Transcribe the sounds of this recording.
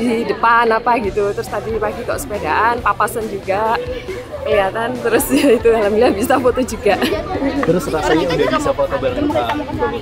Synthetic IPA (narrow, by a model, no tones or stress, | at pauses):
didəpanapaɡit̪ut̪əɾʊst̪adipaɡikɔ̰ʔsə̥pedaʔanpapasənd͡ʒuɡa | pəjat̪ant̪əɾʊsjait̪udalamiliahbisafot̪od͡ʒuɡaʔt̪əɾʊsɾasaɲaudahbisafot̪obalmaaaa